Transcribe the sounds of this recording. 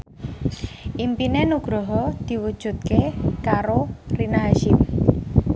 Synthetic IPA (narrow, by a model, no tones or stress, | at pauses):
ʔimpinenuɡ̥ɾɔɦɔd̪̥i̤wud̥ʒ̥ṳt̪̚kekaɾorinaɦaʃɪm